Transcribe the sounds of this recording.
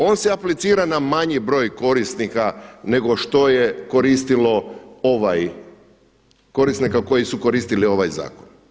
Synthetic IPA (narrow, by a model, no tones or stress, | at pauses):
o̞ːnseaplit̪siːɾanamaɲibɾo̞ːjko̞ɾisnikane̞ɡo̞ʃt̪o̞je̞ko̞ɾist̪ilo̞oʋaj | ko̞ɾisnikako̞jisuko̞ɾiːst̪ilio̞ʋajza̰ːkon